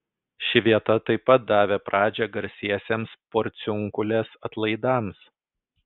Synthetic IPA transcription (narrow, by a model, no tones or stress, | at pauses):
ʃʲɪʋʲiɛt̪ɐt̪ɐɪpːɐt̪̚d̪ɑːʋʲeːpɾʔɑːd͡ʒʲɛɡɐɾʲsʲiɛsʲeːmspoːɾʲt̪sʲʊŋkʊlʲeːsɐt̪lˠɐɪd̪ɑˑms